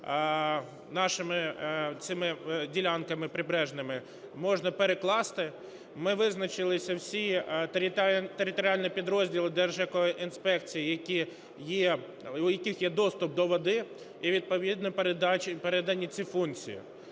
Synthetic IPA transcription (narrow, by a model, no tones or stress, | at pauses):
nɑʃɪmɪt͡sʲɪmɪdʲilʲɑnkɐmɪpɾɪbɾɛʒnɪmɪ | mɔʒnɐpeɾeklˠɑst̪ɪ | mɪʋɪznɐt͡ʃɪlˠɪsʲɐwsʲit̪ɾʲt̪eɾɪt̪ɔɾʲɪɑlʲnʲipʲid̪ɾɔzʲdʲilˠɪd̪ɛrʒjɐkɔjɔʔinspɛkt͡sʲijijɐkʲi | ji | ʊjɐkʲixjɛd̪ɔst̪ʊp̚d̪ɔʋɔd̪ɪ | iʋʲid̪̚pɔʋʲid̪nɔpd̪t͡ʃpeɾɛd̪ɐnʲit͡sʲifunt͡sʲḭjḭ